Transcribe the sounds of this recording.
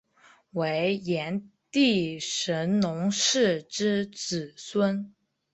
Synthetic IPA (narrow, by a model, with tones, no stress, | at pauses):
we˧˥ɪjɛ˧˥nt̪i˥˩ʂə˧˥nnʊ˧˥ŋʂɻ̩˥˩ʈ͡ʂɻ̩˥t͡sɹ̩˨˩swə˥n